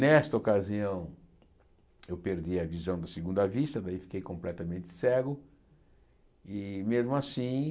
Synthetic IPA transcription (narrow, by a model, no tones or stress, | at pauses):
nɛst̪ɐokaziɐ̃w̃ | ewpeɾd̪iɐvizɐ̃w̃d̪ɐseɡũnd̪ɐvist̪ɐd̪aifi̥kejkõmplɛt̪ɐmẽnt̪ɪ̥sɛɡʊ | ɪmezmʊasĩ